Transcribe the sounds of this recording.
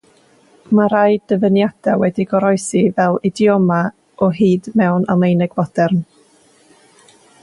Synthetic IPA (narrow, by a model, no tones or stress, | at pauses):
maɾajdəvənjad̥awɛdiɡɔɾɔjsivɛlˠɪdiɔma | ɔɦiːdmɛwnalˠejnɛɡvɔd̥ɛrn